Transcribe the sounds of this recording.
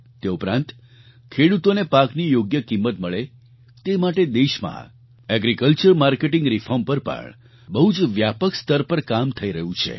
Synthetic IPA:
t̪eupɾã̰nt̪ | kʰeɽut̪onepaknijoɡjəkimːət̪məɭe | t̪emaʈed̪eʃmã̰ | ɛɡɾikəlt͡ʃəɾmaɾkeʈĩŋɡɾifʰɔɾmpəɾpə̰ɳ | bəɦud͡ʒʋjapəkst̪əɾpəɾkamt̪ʰəiɾəɦũt͡ʃʰḛ

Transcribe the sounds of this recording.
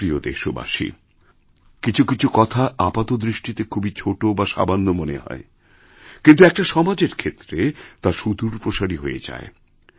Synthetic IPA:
ɾiod̪ḛʃoba̰ʃḭ | kit͡ɕʰukit͡ɕʰukɔt̪ʰaʔapat̪od̪ɾiʃʈit̪ekʰubit͡ɕʰoʈobaʃa̰bʱanːomoneɦɔ̰e | kint̪̬uɛk̚ʈaʃɔmad͡ʑeɾkʰet̪ːɾet̪aʃud̪uɾpɾoʃaɽiɦoḛd͡ʑa̰e

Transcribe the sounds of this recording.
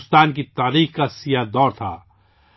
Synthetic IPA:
st̪aːnkit̪aːɾiːxkasijad̪ɔːɾt̪ʰa̰ː

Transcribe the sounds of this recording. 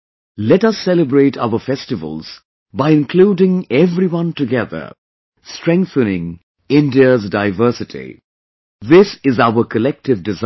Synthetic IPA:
lɛtʌsːɛləbɹeɪtʰa̰ʊəfɛstɨvə̰lˠz̥ | baɪɪ̃nkʰluːdɪ̃ŋɛvɾiwʌ̃ntɨɡɛðə̰˞ | stɹ̥ɛ̃ŋk̚θənɪ̃ŋ | ɪ̃ndiəzdaɪvɜ˞sɨtʰḭ | ðɪsɪzaʊəkʰəlɛk̚tɪvdɪz

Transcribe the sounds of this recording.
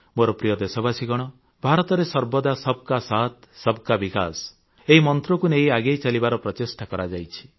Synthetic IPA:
moɾɔpɾijɔd̪esɔbasiɡɔɽ̃ɔ | bʱaɾɔt̪ɔɾesɔɾbɔd̪asɔb̚ʱkasat̪sɔbkabika̰s | eɦimɔnt̪ɾɔkuneɦiaɡejt͡ʃalibaɾɔpɾɔt͡ʃesʈakɔɾad͡ʒajt͡ʃʰi̥

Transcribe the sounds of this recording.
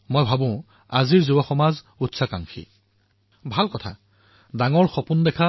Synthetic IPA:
mojbʱabʊ̃ | aziɹzubɔxɔmaz | utsakaŋkʰḭ | bʱalkɔtʰa̰ | daŋɔɹxɔpundɛkʰa

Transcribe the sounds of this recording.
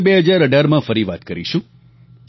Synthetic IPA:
beɦəd͡ʒaɾəɖaɾmãfəɾiʋat̪kəɾiʃũ

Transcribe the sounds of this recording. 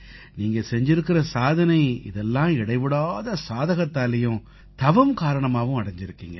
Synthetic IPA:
niːŋɡɐsɛɲd͡ʒɪɾɯkːɪɾɐsaːðɐnɐɪɪ̰ðɛlːãːɪɽɐɪʋɯɽaːðɐsaːðɐɣɐt̪ːaːlɐjʊ̃ | t̪ɐʋɐmkaːɾɐɳɐmaːʋʊ̃ɐɽɐɲd͡ʒɪɾɯkːiːŋɡɐ

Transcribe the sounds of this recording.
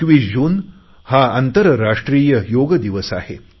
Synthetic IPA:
kʋid͡ʑuːn | haant̪əɾɾaʂʈɾiːjəjoɡd̪iʋəsa̰he

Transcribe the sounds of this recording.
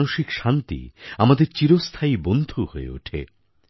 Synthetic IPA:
noʃikʃant̪ḭamad̪eɾt͡ɕiɾost̪ʰaibond̪ʱuhoḛṵʈʰḛ

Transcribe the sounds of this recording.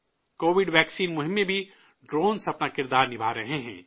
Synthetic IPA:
koːʋɪɖʋɛːksiːnmʊɦɪ̃mːẽbʱi | ɖɾõːnsɐpnakɪɾd̪aːɾnɪbʱaːɾɐɦeɦɛ̰̃ː

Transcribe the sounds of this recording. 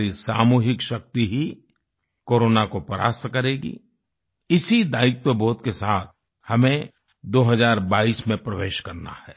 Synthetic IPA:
ɾisaːmuːɦɪkʃɐk̚t̪iɦi | koːɾoːnakopəɾa̰ːst̪kɐɾeːɡḭ | ɪsid̪aːɪk̚t̪əbɔːt̪kesaːt̪̚ʰ | hɐmẽ | d̪oːɦɐzaːɾbaːiːsmẽpɾɐʋeːʃkɐɾna̰hɛː

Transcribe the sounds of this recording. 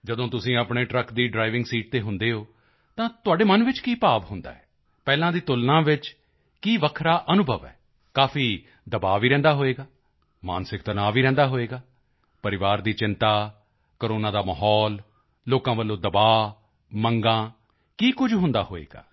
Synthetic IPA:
d͡ʒəd̪õːt̪ʊsĩːəpɳeːʈɾəkd̪iːɖɾaːɪʋɪ̃ŋɡsiːʈ̚t̪eːɦʊnd̪eːoː | t̪ãːt̪ʊaːɖeːmənʋɪt͡ʃkiːpaːʋɦʊnd̪a̰ːɛː | pɛːlãːd̪iːt̪ʊlnãːʋɪt͡ʃ | kiːʋəkʰɾaːʔənʊbʱəʋɛ̰ː | kaːfʰiː | d̪əbaːʋiːɾɛ̃ːnd̪aːɦoːeːɡaː | ma̰ːnsɪkt̪ənaːʋiːɾɛ̃nd̪aːɦoːeːɡaː | pəɾɪʋaːɾd̪iːt͡ʃɪ̃nt̪aː | kəɾoːnãːd̪aːməːɦɔːlː | oːkãːʋəlːõːd̪əbaː | məŋɡãː | kiːkʊd͡ʒɦʊ̃nd̪a̰ːɦoːḛːɡa̰ː

